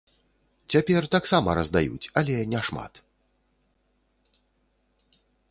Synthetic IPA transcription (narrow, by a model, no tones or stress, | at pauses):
t͡sʲapʲɛrt̪aksamɐɾɐzd̪ajṵt͡sʲɐlʲɛnʲɛʂma̰t̪